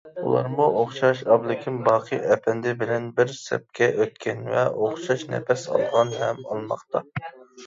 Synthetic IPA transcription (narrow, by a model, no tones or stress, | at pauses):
ṵlˠɑ̰ɾmuʔoχʃɑʃɑblˠɪkʲʰɪmbɑːqʰɨʔɛpʰɛnd̪ɪbɪlɛnbɪɾsɛ̰p̚kʲɛʔøt̪̚kʲɛnvɛ̰oχʃɑʃnɛ̰fɛsɑ̰lˠd̪əʁɑnɦɛmɑ̰lˠmɑ̰qt̪ɑ